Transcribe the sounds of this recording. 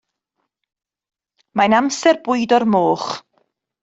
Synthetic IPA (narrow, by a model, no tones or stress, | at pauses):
majnamsɛrbʊɨdɔrmoːχ